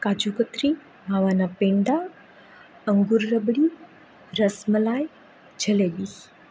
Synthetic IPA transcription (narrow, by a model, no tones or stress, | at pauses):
kad͡ʑukət̪ɾiː | maʋanapeɳɖa | əŋɡuːɾːəbɽiː | ɾəsməlaj | d͡ʒəleli